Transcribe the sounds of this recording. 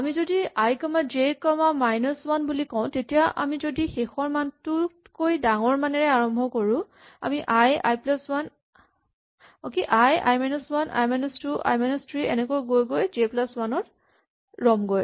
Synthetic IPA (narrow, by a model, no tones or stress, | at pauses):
amizodiajkɔmad͡ʒekɔmamajnɔswanbulikɔʊ̃tetijaʔa̰mizodixexɔɹmantʊ | kojdaŋɔɹmanɛɹɛaɹɔmbʱɔkoɹʊ̃ | a̰miʔaja̰jplaswan | ɔkiʔaja̰jmajnɔswanʔa̰jmajnɔstuʔa̰jmajnɔstɹiɛnɛkojɡojɡojzeplaswanɔt | ɹɔmɡoj